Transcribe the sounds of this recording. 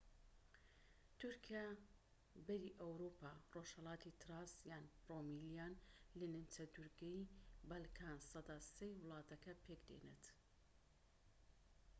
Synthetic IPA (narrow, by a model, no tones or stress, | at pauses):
t̪ʰʊɾkʰija | bɐɾiʔɐwɾupaːroʃhɐlˠɑːt̪it̪ɾɑsjaːnpromiljaːnlɨnɨnt͡ʃɐd̪uɾɡɛjbɐlkʰansɑd̪aːsejwɨlˠɑːt̪ɐkɐpʰekd̪ḛnḛt̪